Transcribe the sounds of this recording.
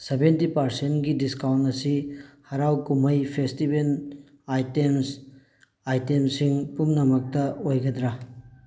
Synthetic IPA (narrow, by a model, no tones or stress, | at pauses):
sebentipɐɾsentɡidiskawntɐsihɐɾawkumɐjpʰestibel | ajtems | ajtemsiŋpumnɐmɐk̚tɐojɡɐd̪ɾa